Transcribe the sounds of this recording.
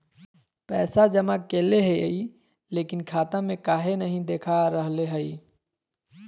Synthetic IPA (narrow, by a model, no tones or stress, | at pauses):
pɛːsad͡ʒəmakeːleɦəi | leːkɪnkʰaːt̪ãmẽkaːɦenəɦĩd̪eːkʰaɾəɦleɦəi